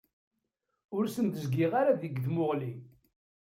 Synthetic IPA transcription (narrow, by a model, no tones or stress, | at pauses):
ʊɾsənt̪əzɡiʁaɾaðiɡðmʊʁli